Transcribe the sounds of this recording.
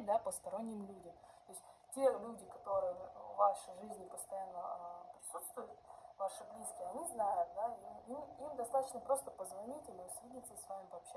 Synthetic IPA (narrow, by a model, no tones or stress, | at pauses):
d̪apəst̪ɐɾo̞nʲːɪmlʲudʲəmt̪oɪsʲtʲe̞lʲudʲɪkɐt̪o̞ɾɨjəvːaʂəjʐɨzʲnʲɪpəst̪ɐjanːəapɾʲɪsut̪st̪vʊjʊt̪̚vaʂɨblʲiskʲɪjəɐnʲiznajʊt̪̚d̪aimmɨimd̪ɐst̪at̪ət͡ɕnəpɾo̞st̪əpəzvɐnʲitʲɪlʲnəsvʲid̪ʲit̪səsvamʲɪpəɐpɕ